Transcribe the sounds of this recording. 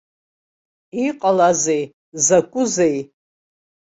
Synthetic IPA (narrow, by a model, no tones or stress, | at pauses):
iqʼalazej | zakʷʼʊzej